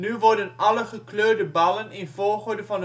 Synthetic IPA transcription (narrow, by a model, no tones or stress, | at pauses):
nyʋɔɹdənɑləχəkløːdəbɑlənɪnvoːɹχoɹdəvɑn